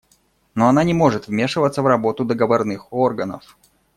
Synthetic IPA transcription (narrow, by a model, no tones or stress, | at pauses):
no̞ɐnanʲɪmo̞ʐɨt̪vmʲe̞ʂɨvət̪səvrɐbo̞t̪ʊd̪əɡəvɐrnɨxo̞rɡənə̰f